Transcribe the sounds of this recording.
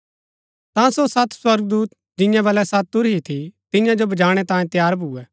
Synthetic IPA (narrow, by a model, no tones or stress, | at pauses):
t̪ãːsosɐt̪ʰswɐɾɡ̚d̪uːt̪̚ | d͡ʒɪ̃jãbɐlɛsɐt̪̚ːʊɾɦit̪ʰit̪ɪ̃jãd͡ʒobɐd͡ʒaːɽ̃ɛt̪ãːjẽt̪jaːɾbʱuːɛː